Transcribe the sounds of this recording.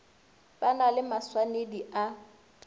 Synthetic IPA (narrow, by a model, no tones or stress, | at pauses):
b̥analɪmaswanediʔa